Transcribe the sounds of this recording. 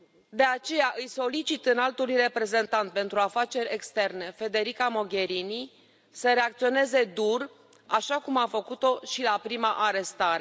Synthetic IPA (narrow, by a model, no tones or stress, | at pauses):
d̪e̞at͡ʃe̞jaʔɨjso̞lit͡ʃit̪ɨnalt̪ulujre̞pɾe̞ze̞nt̪ant̪̚pe̞nt̪ɾuafat͡ʃe̞ɾʲekst̪e̞rne̞fe̞d̪e̞ɾikamo̞ɡʲe̞ɾini | səɾe̞ak̚t̪sio̞ne̞ze̞d̪ur | aʃakumafəkut̪o̞ʃilapɾimaʔaɾe̞st̪aɾe